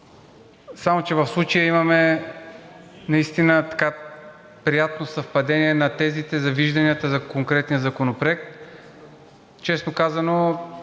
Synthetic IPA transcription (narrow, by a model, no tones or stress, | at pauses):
samot͡ʃɛvɐfslˠut͡ʃəjəimɐmɛ | nɐist̪inət̪ɐ̥ka | pɾijat̪̚nosɐfpɐd̪ɛniɛnɐt̪ɛzit̪ɛzɐviʒd̪ɐniət̪əzɐkoŋkɾɛt̪nijəzɐkonopɾoɛk̚t̪ | t͡ʃɛsnokazɐno